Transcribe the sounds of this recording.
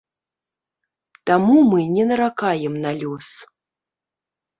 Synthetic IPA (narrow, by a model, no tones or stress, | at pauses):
t̪amumɨnʲɛnɐɾakajɛmnalʲɔs